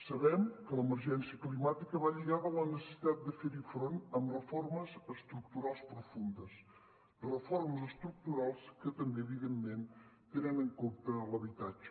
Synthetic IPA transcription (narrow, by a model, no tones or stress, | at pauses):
səβɛmkələməɾʒɛnsiəklimat̪ikəβaʎiɣaðələnəsə̥si̥t̪at̪̚d̪əfeɾifɾonəmrəforməzəst̪ɾuk̚t̪uɾalˠspɾufund̪əs | rəfoɾməzəst̪ɾuk̚t̪uɾalˠskət̪əmbeːβiðemːent̪enənəŋkomt̪ələβit̪ad͡ʒə